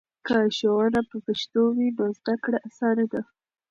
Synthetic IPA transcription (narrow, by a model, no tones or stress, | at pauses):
kaʃowɑnapəpəʃt̪owinozd̪akɽaʔasɑned̪a